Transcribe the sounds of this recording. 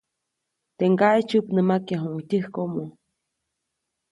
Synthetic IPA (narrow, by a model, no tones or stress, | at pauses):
t̪eŋɡaʔet͡ʃupnəmakjaɦuŋit̪ʲɨhkomo